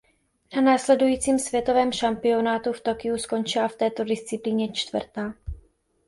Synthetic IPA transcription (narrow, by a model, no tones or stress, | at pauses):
nanaːslɛdujiːt͡siːmsvjɛt̪o̞vɛːmʃampɪo̞naːt̪uft̪o̞kɪusko̞nt͡ʃɪlaft̪ɛːt̪o̞dɪst͡sɪpliːɲɛt͡ʃt̪vr̩t̪aː